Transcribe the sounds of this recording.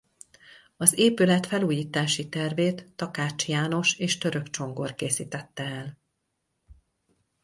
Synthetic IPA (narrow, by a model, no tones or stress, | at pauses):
ɒzeːpylɛt̪fɛluːjiːt̪aːʃit̪ɛrveːt̪ːɒkaːt͡ʃjaːno̞ʃeːʃt̪øɾøkt͡ʃo̞ŋɡo̞rkeːsiːt̪ɛt̪ːɛɛl